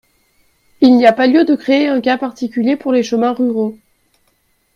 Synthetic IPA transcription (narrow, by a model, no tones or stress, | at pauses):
ilniapaljød̪əkχeːɛ̃kapaʁt̪ikʲyljepuʁleʃəmɛ̃ʁyʁo